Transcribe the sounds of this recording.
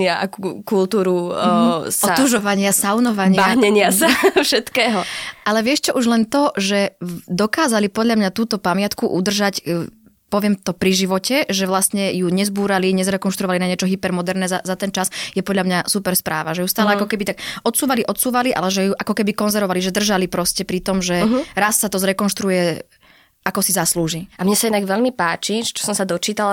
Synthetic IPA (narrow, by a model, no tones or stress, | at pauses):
iaʔa̰kukulˠt̪uːɾu | sɔat̪uʒɔʋaɲɪasaʊnɔʋaɲɪaɦɲɛɲɪasafʃɛt̪kɛːɦɔʔalɛʋɪɛʃt͡ʃɔʔuʒlɛnt̪ɔʒɛd̪ɔkaːzalipɔd̪ʎamɲat̪uːt̪ɔpamɪat̪kuʔud̪r̩ʒac | pɔʋɪɛmt̪ɔpɾiʒiʋɔcɛʒɛʋlast̪ɲɛjuɲɛzbuːɾaliɲɛzɾɛkɔnʃt̪ɾuɔʋalinaɲɛt͡ʃɔɦipɛɾmɔd̪ɛɾnɛːzazat̪ɛnt͡ʃasjɛpɔd̪ʎamɲasupɛɾspɾaːʋaʒɛjust̪aːlɛakɔkɛbit̪akʔɔt̪suːʋaliʔɔt̪suːʋaliʔa̰lɛʒɛjuʔakɔkɛbikɔnzɛɾʋɔʋaliʒɛd̪r̩ʒalipɾɔscɛpɾit̪ɔmʒɛɦɾassat̪ɔzɾɛkɔnʃt̪ɾujɛ | ʔakɔsizasluːʒiamɲɛsainaɡʋɛʎmipaːt͡ʃiʒɛt͡ʃɔ̥sɔmsad̪ɔt͡ʃiːt̪al